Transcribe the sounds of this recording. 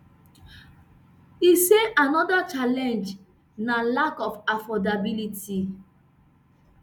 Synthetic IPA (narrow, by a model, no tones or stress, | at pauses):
iseanɔdat͡ʃalɛ̃nd͡ʒ | nalakɔfafɔdabiliti